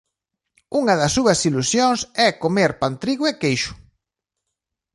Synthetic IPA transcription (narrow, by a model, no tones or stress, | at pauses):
uŋɐðɐsːuɐsilusjoŋsɛkomeɾpant̪ɾiɣʊɛkejʃʊ̥